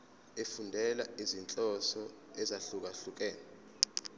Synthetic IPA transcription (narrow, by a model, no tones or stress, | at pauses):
efundʱɛlaizint͡ɬʼɔsɔ | ɛzaɬuk̬aɬuk̬ʼɛːnɛ